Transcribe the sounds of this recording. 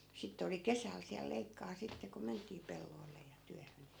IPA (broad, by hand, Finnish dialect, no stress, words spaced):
sitːe oli kesæl siæl leikːɑː sitːe ko mentˑiː pelːoi̯lːe jɑ tyæhøn